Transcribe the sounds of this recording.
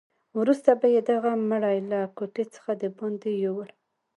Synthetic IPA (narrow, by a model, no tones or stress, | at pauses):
wɾust̪abajed̪aɣaməɽajlakoʈet͡sə̥xad̪əbond̪ejowəl